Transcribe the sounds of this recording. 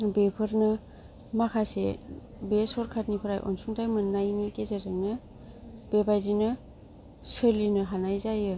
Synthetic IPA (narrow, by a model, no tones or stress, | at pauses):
bepʰɯɾnɯ | makʰasḛ | besɔɾkʰat̚nipʰɯɾajʔɔ̰nsuŋtʰajmɯnːajnikezazeŋnɯ | bebajdinɯ | sɯlinɯɦanajzajɯ